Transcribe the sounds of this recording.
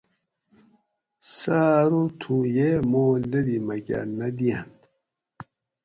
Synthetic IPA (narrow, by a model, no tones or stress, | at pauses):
saːɾut̪ʰũjemoːlɐd̪imɐɡa̰nɐd̪ian